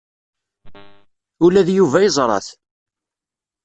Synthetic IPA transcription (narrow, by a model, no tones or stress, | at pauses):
ʊlæðjuvæjəzˤɾˤɑ̰θ